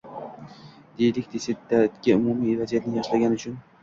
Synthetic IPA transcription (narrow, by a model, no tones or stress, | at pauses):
d̪̥ejlɪkʲd̪eset̪ːat̪ɡʲaʊmumivazijat̪nɪjɒʃlaɡʲanɪʊt͡ʃʰʊn